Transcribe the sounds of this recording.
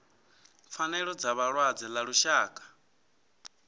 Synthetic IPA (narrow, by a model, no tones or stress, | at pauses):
fanɛɺɔd͡zaβaɺwad͡zɛlaɺuʃaːkʼḁ